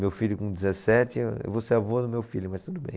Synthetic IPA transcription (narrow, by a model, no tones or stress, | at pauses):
mewfiʎjʊkõd͡ʒizesɛt͡ʃɪ̰voseavod̪ʊmewfilʊmɐjst̪ud̪ʊbḛ̃j̃